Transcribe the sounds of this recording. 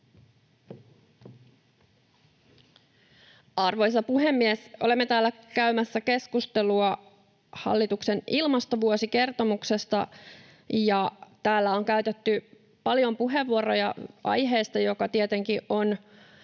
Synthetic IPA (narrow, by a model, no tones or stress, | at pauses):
ɑrʋo̞js̬ɑpuɦe̞mːiesʔo̞̰le̞mːe̞t̪æːlːækæymæsːæke̞skust̪e̞luɑ | hɑ̰lːit̪ukse̞nilmɑst̪o̞ʋuosike̞rt̪o̞mukse̞st̪ɑ | jɑt̪æːlːæo̞ŋkæyt̪e̞t̪ːy | pɑljo̞mpuɦe̞ʋːuoro̞jɑ̰ɑ̰jɦe̞ːst̪ɑjo̞kɑt̪iet̪e̞ŋkiʔo̞n